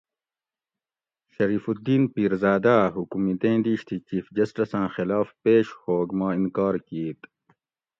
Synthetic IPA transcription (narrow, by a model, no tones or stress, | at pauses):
ɕɐɾiːfud̪iːnpiːɾzaːd̪aːɦukumit̪ẽːnd̪iːɕt̪ʰit͡ɕiːfd͡ʑɐsʈɐsãːxilɑːfpeːɕhoːɡmãːinkɑːɾkiːt̪